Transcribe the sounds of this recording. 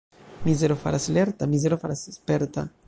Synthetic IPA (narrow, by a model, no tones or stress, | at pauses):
mizeɾofa̰ɾasaleɾt̪amizeɾofaɾasespeɾt̪a̰